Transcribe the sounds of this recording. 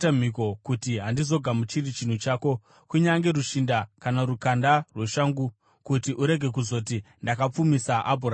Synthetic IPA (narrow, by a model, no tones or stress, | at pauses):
tam̤iko̞kutiɦandizo̞ɡʱamut͡ʃirit͡ʃin̤ut͡ʃaːko̞ | kuɲaŋɡe̞ɾuʃindakanarukandarwe̞ʃaːŋɡu | kutiʔuɾe̞ɡʱe̞k̬uzo̞t̬i | ndakap͡fumisaʔabʱura